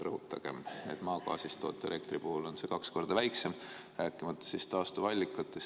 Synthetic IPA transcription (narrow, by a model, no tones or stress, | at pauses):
rɤhut̪ːˑɑɡ̥e̞mnḛd̪̥mɑːkɑ̰ːsist̪o̞̰ːt̪ːˑele̞k̚t̪ripuhulo̞nse̞kɑksko̞rd̪ɑvæjkse̞m | rʔæːkːˑimɑt̪ˑːɑ̥sist̪ɑːst̪uvɑlʲːikːˑɑt̪ːˑes